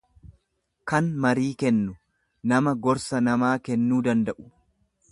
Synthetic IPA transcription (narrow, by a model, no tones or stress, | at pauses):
kɐnmɐɾiːkɛnːʊ | nɐmɐɡɔɾsɐnɐmaːkɛnːuːd̪ɐnd̪ɐʔʊ̥